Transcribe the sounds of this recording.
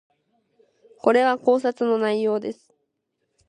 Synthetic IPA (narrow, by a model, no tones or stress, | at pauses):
ko̞ɾe̞βako̞ːs̬at͡sɨno̞naijo̞ːd̪e̞sɨ̥